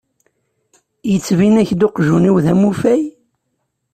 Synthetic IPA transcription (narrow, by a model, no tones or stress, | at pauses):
jət͡sːvinæçd̪oqʒuniwðæmufæj